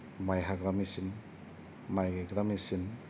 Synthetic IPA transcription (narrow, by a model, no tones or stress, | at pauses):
majɦaɡɾamisin | majɡeɡɾamisin